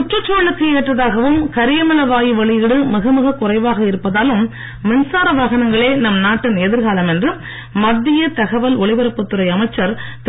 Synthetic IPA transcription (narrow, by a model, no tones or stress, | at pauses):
ʊʈrɐt͡ʃːoːɭɯkːɯeːʈrɐðaːɣɐʋɯmkɐɾɪjɐmɪlɐʋaːjiʋɐɭɪjɪɽɯmɪɣɐmɯɣɐkʊrɐɪʋaːɣɐɪɾɯpːɐðaːlɯmː | ɪnsaːɾɐʋaːɣɐnɐŋɡɐɭeːnɐmnaːʈːɯneðɪɾɣaːlɐmɛndrɯ | mɐd̪ːɪjɐt̪ɐɣɐʋɐlɔɭɪʋɐɾɐpːɯt̪ːɯɾɐɪɐmɐɪt͡ʃːɐɾt̪